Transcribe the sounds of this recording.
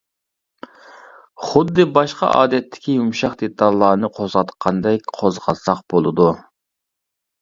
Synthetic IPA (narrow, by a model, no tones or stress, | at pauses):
χʊd̪ːɨbɑʃqɑ̰ʔɑ̰ːd̪ɛt̪ʰːɪ̥kʲijumʃɑχd̪et̪ʰɑlˠːɑːnɨqʰozʁɑt̪qʰɑnd̪ɛk̚ʲqʰozʁɑsɑqbolˠɨd̪u